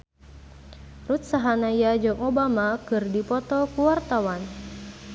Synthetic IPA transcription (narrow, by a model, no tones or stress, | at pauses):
rut̪̚saɦanajad͡ʒɔŋɔbamakɨrdipɔt̪ɔkuwart̪awan